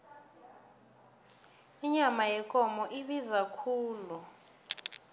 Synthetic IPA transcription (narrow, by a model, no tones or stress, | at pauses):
iɲamajɛkʼɔmɔʔiɓizakʰuːlu